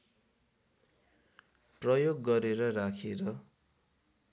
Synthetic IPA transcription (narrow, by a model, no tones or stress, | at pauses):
prʌjoɡːʌɾeɾʌrakʰeɾʌ